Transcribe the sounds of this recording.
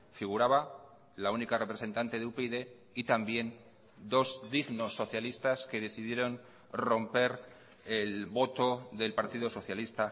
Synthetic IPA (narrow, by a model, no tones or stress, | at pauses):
fiɣ̞uɾaβa | launikare̞pɾe̞se̞nt̪ant̪e̞ðeupeiðe̞ | it̪ambje̞n | d̪o̞zðiɣno̞sːo̞θjalist̪aske̞ðe̞θiðje̞ɾo̞n | ro̞mpe̞ɾ | elβo̞t̪o̞ðe̞lpaɾt̪iðoso̞θjalist̪a